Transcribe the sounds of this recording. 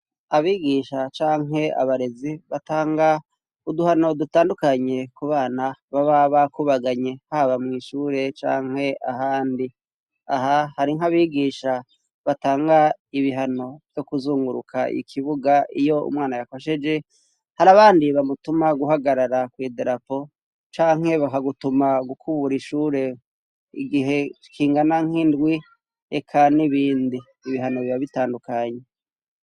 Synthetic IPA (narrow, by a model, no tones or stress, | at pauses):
aβiːɡiːʃat͡ʃaːŋɦe̞a̰βaɾe̞ziβataːŋɡa | uduhano̞dutaːndukaɲe̞kuβaːnaβaβaβakuβaɡaɲe̞haβamŋiːʃuːɾe̞t͡ʃa̰ːŋ̥he̞aɦaːndi | aɦahaɾiŋhaβiːɡiːʃa | βataːŋɡaiβiɦano̞v̥jo̞kuzuːŋɡuɾukʰa̰ʔḭkʰiβuɡaʔijo̞ṵmwaːnajako̞ʃe̞d͡ʒe̞ | haɾaβaːndiβamutumaɡuɦaɡaɾaɾakwideɾapo̞ | t͡ʃaːŋ̥he̞βakaɡutumaɡukʰuβuɾiʃuːɾe̞ | ḭɡiɦe̞ | kʰiːŋɡanaŋ̥hindɡwi | ekʰaniβiːndiːβiɦano̞βiβaβitaːndukaɲe